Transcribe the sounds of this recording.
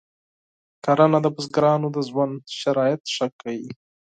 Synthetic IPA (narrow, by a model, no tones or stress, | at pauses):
kaɾanad̪əbʊzɡɾɑnod̪əzwanʃaɾɑjɪt̪ʂəkʰːawi